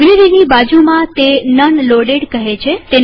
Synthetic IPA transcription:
ɡliʋiʋibad͡ʒumãt̪enənloɖeɽkəɦet͡ʃʰet̪e

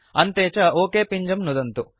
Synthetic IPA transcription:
ɐnt̪eːt͡ʃɐoːkeːpiɲd͡ʒɐmnud̪ɐnt̪u

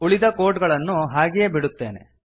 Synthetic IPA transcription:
uɭid̪ɐko̞ːʈɡɐɭɐnːuɦaːɡijebiɽut̪ːe̞ːnḛ

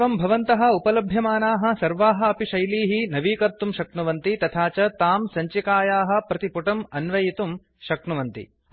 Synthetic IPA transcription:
ɐmbʱɐʋɐnt̪ɐɦɐ̆upɐlɐbʱjɐmaːnaːɦɐ̆sɐɾʋaːɦɐ̆ɐpiʃɐjliːɦinɐʋiːkɐɾt̪ːumʃɐkɳuʋɐnt̪it̪ɐt̪ʰaːt͡ʃɐt̪aːmsɐɲt͡ʃikaːjaːɦɐ̆pɾɐt̪ipuʈɐmɐnʋɐjit̪um | ʃɐkɳuʋɐnt̪ḭ

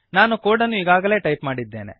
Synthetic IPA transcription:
naːnukoːɽɐnːuiɡaːɡɐle̞ːʈɐjpmaːɽid̪ːeːnḛ

